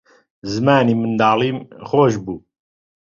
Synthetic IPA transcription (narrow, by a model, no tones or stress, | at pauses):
zɨmaːniːmɨnd̪aːliːmxoːʒbuː